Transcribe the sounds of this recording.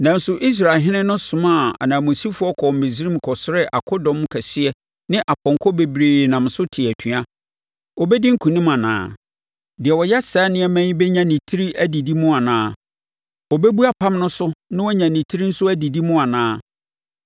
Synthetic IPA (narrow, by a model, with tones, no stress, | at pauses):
nã˨n̩˦sʊ˨ʔi˦s̬ɾa˨lɦɪ̃˦nɪ̃˦nʊ̃˦sʊ̃˨mã˦˨a̰˨nãː˨mo˨si˦fʊ˦ɔ˦kʰɔ˨m̩˨me˨zi˦ɾĩ˦m̩˨kʰɔ˨sʊ˦ɾɛ˦ʔa̰˨kʰɔ˦dɔ̃˨m˦kʰɛ˨sɪ˦ɛ˦ | nɪ̃˦ʔa˨pʰɔ̃˨ŋkʰɔ˦be˨bɾeː˨nã˨m˨sʊ˦tʰɪ˨æ˨tʰũ˨a˦ | wɔ˨bɛ˦di˦ŋ̩˦kʰũ˨nĩ˦mã˨nã̰ː˨˦˨ | dɪ˨ɛ˨wɔ˨jɛ˦saː˨˦nɪ̃˦ɛ˦mæ̃˦ɲ˦bɛ˦ɲã˦nĩ˨tʰi˦ɾi˦ʔæ˦di˨di˦mʊ̃˦a˨nãː˦ | wɔ˨bɛ˦bu˦a˦pʰã˦mnʊ̃˦sʊ˦nɪ̃˦wɔ˦ɲã˨nĩ˨tʰi˦ɾi˦n̩˦sʊ˦æ˦di˨di˦mʊ̃˦a˨nãː˦